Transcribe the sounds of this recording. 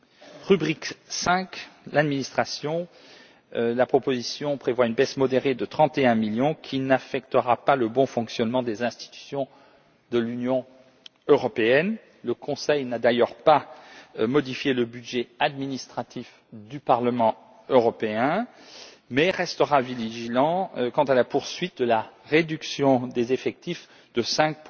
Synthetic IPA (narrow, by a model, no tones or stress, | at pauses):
ʁybʁiksɛ̃klad̪minist̪χasjɔ̃ | lapχɔpozisjɔ̃pχevwaynbɛsmɔd̪eʁed̪ət̪χɑ̃t̪eɛ̃miljɔ̃kʲʰinafɛk̚t̪əʁapaləbɔ̃fɔ̃ksjɔnmɑ̃d̪ezɛ̃st̪i̥t̪y̥sjɔ̃ | d̪əlynjɔ̃ | øʁɔpeɛn | ləkɔ̃sɛjnad̪ajœʁpa | mɔd̪ifjeləbydʒɛad̪minist̪χat̪if | d̪ypaʁləmɑ̃ | øʁɔpeɛ̃ | mɛʁɛst̪əʁaviliʒilɑ̃kɑ̃t̪alapuʁsɥit̪̚d̪əlaʁed̪yksjɔ̃d̪ezefɛk̚t̪if | d̪̥əsɛ̃k̚p